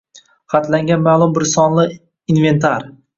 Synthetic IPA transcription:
χɑt̪laŋɡʲanmaːlˠʊmbɪɾsɒnlɪ | inve̞nt̪ʰaɾ

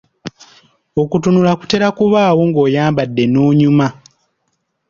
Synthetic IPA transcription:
o̞kutunulaku̥te̞ɾakuβaːwo̞ŋɡo̞ːjaːmbadːe̞nuːɲuma

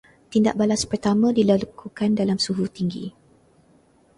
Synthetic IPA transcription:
t̪inda̰ʔ̚balaspərt̪amãdilalakukandalamsuɦut̪iŋɡḭ

